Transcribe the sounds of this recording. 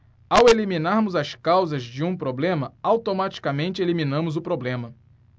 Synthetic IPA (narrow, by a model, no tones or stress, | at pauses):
awelimĩnaɾmʊzɐskawzɐzd͡ʒɪũpɾoblẽmɐawt̪omat͡ʃi̥kamẽnt͡ʃɪelimĩnɐ̃mʊzʊpɾoblẽmɐ